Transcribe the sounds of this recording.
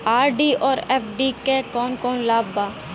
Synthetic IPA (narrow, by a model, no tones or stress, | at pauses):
aːɾɖiːʔɔːɾeːpʰɖiːkekɔːnkɔːnlaːbbaː